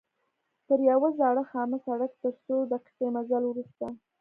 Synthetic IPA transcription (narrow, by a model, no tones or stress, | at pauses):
t̪əɾjawəzaɽəxɑməsaɽakt̪əɾsod̪əqɪ̥t̪emazalwɾust̪a